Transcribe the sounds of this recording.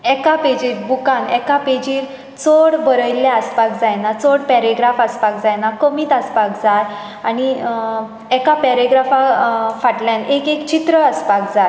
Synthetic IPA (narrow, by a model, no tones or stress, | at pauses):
ɛkaped͡ʑiɾbukãnɛkaped͡ʑiːɾ | t͡soɽbəɾəjlːeəspakd͡zajnat͡soɽpɛɾeɡɾafəspakd͡zajnakəmiːt̪əspakd͡zaj | añi | ɛkapɛɾeɡɾafafaʈlãnekekt͡ɕit̪ɾəəspak̚d͡zaj